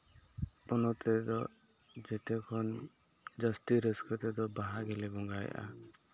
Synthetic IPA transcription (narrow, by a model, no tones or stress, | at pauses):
ɔnɔt̪ʰɛd̪ɔ | d͡ʒɛt̪ɛkʰɔn | d͡ʒast̪iɾeskɔt̪ɛd̪ɔbaɦaɡɛlɛbɔŋɡajʔa̰